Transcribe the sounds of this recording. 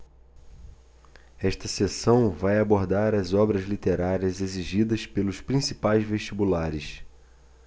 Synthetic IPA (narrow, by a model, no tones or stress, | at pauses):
ɛʃt̪ɐsesɐ̃w̃vajaboɾd̪aɾɐzɔbɾɐzlit̪eɾaɾiɐzeziʒid̪ɐspelʊspɾĩsipajzveʃt͡ʃibulaɾɪs